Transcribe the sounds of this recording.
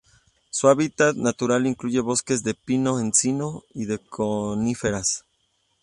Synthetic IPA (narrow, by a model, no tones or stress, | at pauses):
suaβit̪at̪nat̪uɾaliŋkluʝe̞βo̞ske̞zðepino̞ensino̞iðe̞kʰonife̞ɾas